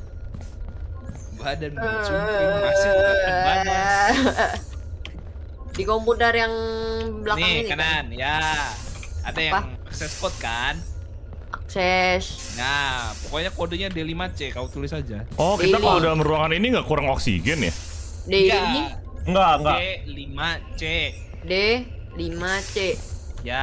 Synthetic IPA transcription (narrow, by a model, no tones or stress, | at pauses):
badant͡ʃuisa | dikompudarjaŋblankaŋnənanja | adajapaŋaksɛspɔt̪̚kan | ʔaksɛs | napokoɲakodoɲadelimat͡ʃɛkawot̪ulɪsad͡ʒaʔɔkit̪alkalodalməɾuaŋaniniŋɡaʔkuɾaŋoksḭɡɛnja̰ | deeniŋɡaŋɡalimat͡ʃe | de | limat͡ʃɛja